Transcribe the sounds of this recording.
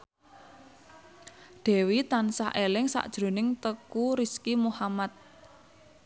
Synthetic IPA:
ɖ̪̥ɛ̤wit̪ansaʔelɪŋsa̰ʔd̥ʒ̥ɾo̤nɪŋt̪əkuɾiskimuhamat̪̚

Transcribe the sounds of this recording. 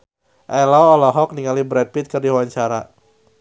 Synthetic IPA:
ʔɛlɔɔlɔɦɔk̚niŋalibɾɛd̚pit̪̚kɨrdiwawaɲt͡ʃaɾa

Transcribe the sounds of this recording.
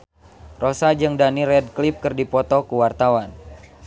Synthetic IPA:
rosad͡ʒɨŋdanirɛd̚klip̚kɨrdipɔt̪ɔkuwart̪awan

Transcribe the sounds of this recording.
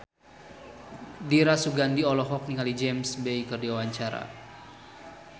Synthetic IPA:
diɾasuɡandiɔlɔɦɔk̚niŋalid͡ʒɛmsbeikɨrdiwawaɲt͡ʃaɾa̰

